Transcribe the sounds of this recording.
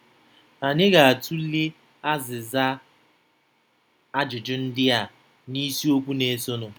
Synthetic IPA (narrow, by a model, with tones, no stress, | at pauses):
a˨ɲɪ˦ɣa˨a˨tʰu˦li˦ | a˦zɪ˨za˦ | a˦d͡ʒʊ˨d͡ʒʊ˦n̩˦dɪ˦a˨ | ni˦si˦o˦kʷu˦ne˨˦so˦nʊ˨